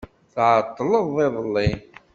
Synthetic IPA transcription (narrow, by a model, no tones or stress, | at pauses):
θʕət̪ˤːləðˤɪðˤəlːi